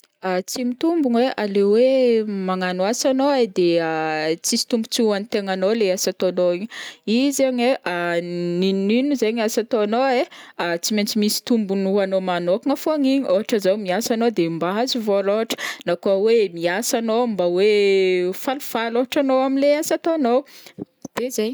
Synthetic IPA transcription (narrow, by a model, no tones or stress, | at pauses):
at͡simit̪umbunweʔalewemaŋanwasanoad̪eat͡sisi̥t̪umbut͡sianit̪eŋanoleasat̪onoiɲizeɲeʔaninninuzeɲasat̪oanoeat͡siment͡simisi̥t̪umbunuanomanokaŋafoaɲiɲoɦaʈ͡ʂəzowmiasanod̪embazuvoɾoɦaʈ͡ʂə̥nakuawemiasanombawefalufaloɦaʈ͡ʂanowaminleasat̪oanow | d̪̥ezaɲ